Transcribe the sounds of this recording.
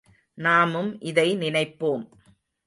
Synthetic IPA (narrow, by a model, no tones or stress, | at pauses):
naːmɯmʔɪðɐɪnɪnɐɪpːoːm